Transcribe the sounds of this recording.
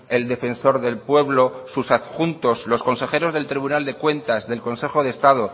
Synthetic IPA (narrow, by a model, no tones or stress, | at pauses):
e̞ld̪e̞fe̞nso̞ɾðe̞lpwe̞βlo̞susaxunt̪o̞slo̞sko̞nse̞xe̞ɾo̞zðe̞lt̪ɾiβ̞unald̪e̞kwe̞nt̪azðe̞lko̞nse̞xo̞ðest̪að̞o